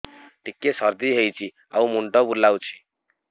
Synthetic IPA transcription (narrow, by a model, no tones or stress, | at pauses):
ʈikːesʌɾd̪iɦejt͡sʰi | a̰wmuɳʈʌbulːawt͡sʰi̥